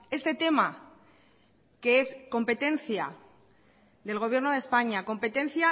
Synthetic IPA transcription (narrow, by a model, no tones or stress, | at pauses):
e̞st̪e̞t̪e̞ma | ke̞e̞sko̞mpe̞t̪e̞n̟θja | ðe̞lɣ̞oβ̞je̞ɾnoð̞e̞spaɲako̞mpe̞t̪ẽ̞n̟θja